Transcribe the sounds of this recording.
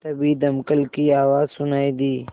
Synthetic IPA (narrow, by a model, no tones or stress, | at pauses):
t̪ɐbiːd̪ɐmkəlkiaːwaːzsʊnaːid̪iː